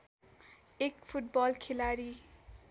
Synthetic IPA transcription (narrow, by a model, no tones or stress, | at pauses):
ekpʰuʈ̚bɔlkʰelaɾi